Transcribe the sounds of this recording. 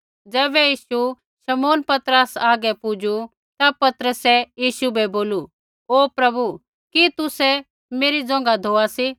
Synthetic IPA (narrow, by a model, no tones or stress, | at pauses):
d͡ʒɛːbɛjiːʃu | ʃɐmoːnpɐt̪ɾəsaːɡɛpʊd͡ʒu | t̪apɐt̪ɾəsɛjiːʃubʱɛboːlu | oːpɾɐbu | kit̪ʊsɛ | meːɾid͡zɔ̃ːŋ̆ɡad̪ʱoːasi